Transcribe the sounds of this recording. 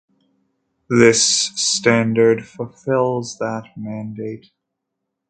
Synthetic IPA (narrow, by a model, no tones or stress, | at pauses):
ðɪstæ̃ndə˞dfəlˠfɪlˠzðət̚mæ̃ndeɪt̚